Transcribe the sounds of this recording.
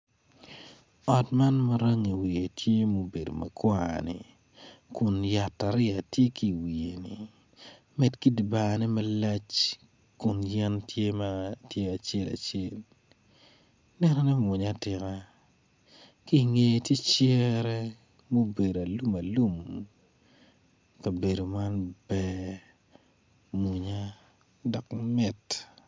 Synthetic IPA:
ɔ˨tma˦nma˦ɾa˦ŋi˨wi˨e˨tʰje˦mo˦be˨do̰˨ma̰˨kwa˦nḭ˨ | kʊ˨nja˨tːa˨ɾɪ˦a˨tje˦ki˦˨wi˨e˨nḭ˨ | mɛ˨tki˦dba˨nɛ˦mɛ˦lɛ˦t͡ʃ | kʊ˨njɛ˦ntʰje˦ma˦tje˦a˨t͡ʃe˦la̰˨t͡ʃɪe˦˨l | nɛ˦nɔ˦nɛ˦mu˨ɲa˦tɪ˨ka˦ | ki˦˨ŋe˦jtje˦t͡ʃɛ˦ɾɛ˦ | mo˦be˨do˨a˨lu˦ma˨lu˦m | ka˨be˨do˨ma˦nbɛ˨ | mu˨ɲa˦ | dɔ˨kmɛ˨t

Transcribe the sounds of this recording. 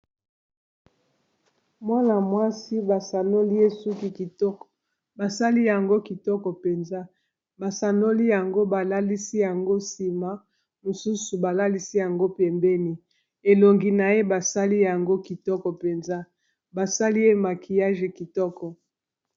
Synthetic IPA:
mwa˦na˨mwa˦si˦ba˨sa˨no˦li˦e˦su˦ki˨ki˨tɔ˦kɔ˨ | ba˨sa˦li˦ja˨ŋɡo˦ki˨tɔ˦kɔ˨pe˨nza˦ | ba˨sa˨no˦li˦ja˨ŋɡo˦ba˨la˦li˦si˦ja˨ŋɡo˦si˨ma˦ | mo˨su˦su˨ba˨la˦li˦si˦ja˨ŋɡo˦pe˨mbɛ˦ni˨ | e˨lo˨ŋɡi˨na˨je˦ba˨sa˦li˦ja˨ŋɡo˦ki˨tɔ˦kɔ˨pe˨nza˦ | ba˨sa˦li˦e˦ma˨kʰi˨ja˦ʒe˨ki˨tɔ˦kɔ˨

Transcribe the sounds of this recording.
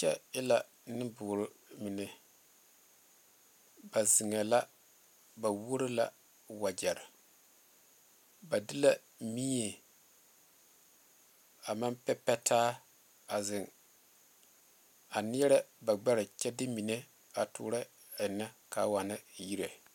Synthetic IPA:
t͡ʃɛ˦ɪ˦la˨ | nɨ˦bʊː˨ɾɨ˨mi˨ne˨ | ba˨zɪ˨ŋa˨la˦ | ba˨wo˦ɾɪ˦la̰˨ | wa˨d͡ʒɛ˨ɾɪ˨ | ba˨dɪ˦la˦ | miː˦e˨ | a˨ma˦mpɛ˦pɛ˦tʰaː˦ | a˨zɪ˨ŋ | a˨nɪ˦ɛ˦ɾɛ˦ba˨ɡ͡bɛ˦ɾɪ˨t͡ʃɛ˦dɪ˦mi˨ne˦ | a˨tʊ̰ː˨ɾɛ˦˨ | na˦ka˨˦wa˨na˦˨ji˦ɾe˨

